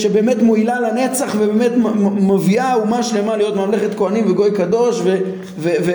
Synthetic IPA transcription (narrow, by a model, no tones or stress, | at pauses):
ʃebe̞ːmetmoilalane̞t͡saχvebeːme̞tmoviaumaʃlemalijo̞t̪mamleχet̪koanimveɡo̞jkad̪o̞ʃve | veve